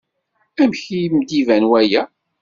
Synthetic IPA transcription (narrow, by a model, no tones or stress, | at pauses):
æmçijmd̪ivænwæjæ